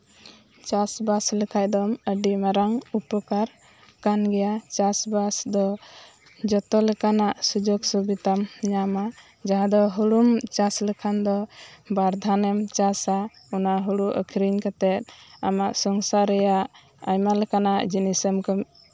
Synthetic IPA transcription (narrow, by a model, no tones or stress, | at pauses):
t͡ʃasbasləkʰaj̚d̪ɔməɖimaɾaŋupəkaɾ | kanɡɛjat͡ʃasbasd̪ɔ | d͡ʒɔt̪ɔlɛkanaʔsud͡ʒɔɡsubit̪amɲama | d͡ʒaɦad̪ɔɦuɾumt͡ʃasləkʰand̪ɔbaɾd̪ʱanɛmt͡ʃasa | unaɦuɽuʔə̰kʰɾiɲkat̪ɛt̪̚amaʔsɔŋsaɾɛjaʔ | ajmalɛkanaʔd͡ʒinisəmkɔm